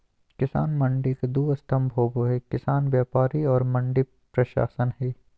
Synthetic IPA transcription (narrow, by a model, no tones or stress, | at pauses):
kɪsa̰ːnmɐ̃ɳɖikd̪uːɐst̪ʰɐmbʱoːboɦɛːkɪsaːnʋjaːpaːɾiɔːɾmɐ̃ɳɖi | pɾɐʃa̰ːsənɦɛː